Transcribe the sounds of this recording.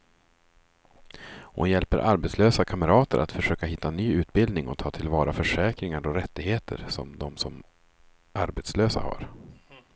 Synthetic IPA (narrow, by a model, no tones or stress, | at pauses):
hʊ̰njɛlpəɾʔaɾbɛt̪sløːsakʰaməɾɑːt̪əɾʔa̰t̪fœʂøːkaɦɪt̪ːanyːʉ̟ːt̪̚bɪld̪nɪŋɔ̰t̪ʰɑːt̪ʰɪlvɑːɾʔafœʂɛːkɾɪŋaɾɔɾɛt̪ːɪɡheːt̪ʰə̰ɾsɔ̰md̪ɔmsɔm | ʔaɾbɛt̪sløːsa̰ha̰ɾ